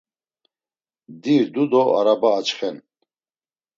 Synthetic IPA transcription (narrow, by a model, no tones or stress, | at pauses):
d̪iɾd̪ud̪ɔʔa̰ɾabaːt͡ʃχɛn